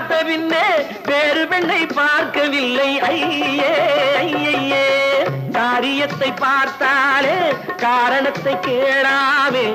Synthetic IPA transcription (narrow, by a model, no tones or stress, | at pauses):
t̪ːɐpɪnːeː | ʋeːɾɯpɛɳːɐɪpːaːɾkɐʋɪlːɐɪɐjeːɐjɐeːd̪aːɾɪjɐt̪ːɐɪpːaːɾt̪aːleː | kaːɾɐɳɐt̪ːɐɪkːeːɽaːmeː